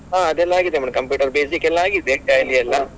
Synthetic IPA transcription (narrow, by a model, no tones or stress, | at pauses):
ɦaːɐd̪ɛlːaaːɡid̪emɐɽɐmkɐmpjuːʈɐɾbeːsikɛlːaaːɡid̪ekaːjliɐlːɐ